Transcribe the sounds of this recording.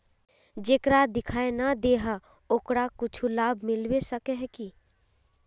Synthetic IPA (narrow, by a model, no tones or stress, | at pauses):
d͡ʒeːkɾad̪ɪkʰaːenad̪eːɦa | okɾakʊt͡ʃʰulaːbʱmɪlwesəkeɦɛki